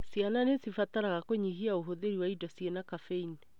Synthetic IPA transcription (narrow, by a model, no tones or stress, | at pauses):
siananesifataɾaɣakoɲihiaoɦoðeɾiwaidɔsienakafein